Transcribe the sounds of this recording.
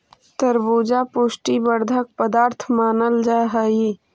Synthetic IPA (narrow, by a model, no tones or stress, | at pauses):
t̪əɾbuːd͡ʒapoːsʈibəɾd̪ʱək̚pəd̪aːɾt̪ʰmaːnəld͡ʒaɦəi